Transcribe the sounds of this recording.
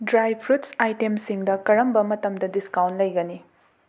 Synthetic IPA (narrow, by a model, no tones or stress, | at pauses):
dɾajpʰɾutsajtemsiŋdɐkɐɾɐmbɐmɐtɐmdɐdiskawntlɐjɡɐni